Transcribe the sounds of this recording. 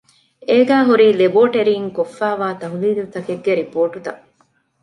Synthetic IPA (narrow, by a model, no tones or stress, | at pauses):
eːɡæːɦuɾiːleboːʈeɾiːŋkofːæːʋaːt̪ɐɦuliːlut̪ɐkeɡːeɾipoːʈut̪ɐ